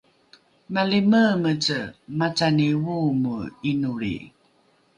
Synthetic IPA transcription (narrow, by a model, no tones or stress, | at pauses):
maliməmət͡səmat͡saniwumuinuɾḭ